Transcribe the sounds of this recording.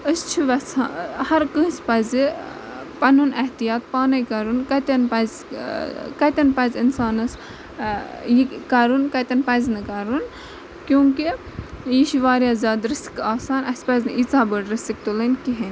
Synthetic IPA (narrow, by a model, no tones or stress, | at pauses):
əst͡ʃʰiʋɐsahɐɾkə̃sʲpɐzi | pɐnunɐht̪ijaːt̪̚paːnɐjkɐɾunkɐt̪ʲɐnpɐz | kɐt̪ʲɐnpɐzʲinsaːnɐs | jikɐɾunkɐt̪ʲɐnpɐznɨkɐɾun | kjũːŋki | jiʃiʋaːɾjaːzʲjaːd̪ɾɐsi̥kaːsaːnɐsʲpɐznɨʔit͡saːbəɽɾɐsik̚t̪ulɐnkiɦin